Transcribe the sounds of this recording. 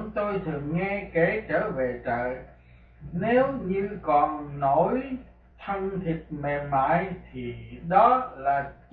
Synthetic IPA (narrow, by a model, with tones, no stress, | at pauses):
ŋ͡mt̪o˧jt̪ʰɨ˨˩əŋːɛ˧ke˨˩˦t͡ɕəː˧˩ve˨˩t͡ɕə̰ː˧˨ | ne˨˦wɲɨ˧kɔ˨˩nːo˧˦j | t̪ʰə˧ŋt̪ʰi˨˩t̚me˨˩ma̰ː˧˨jt̪ʰi˨˩ɗɔ˨˦laː˨˩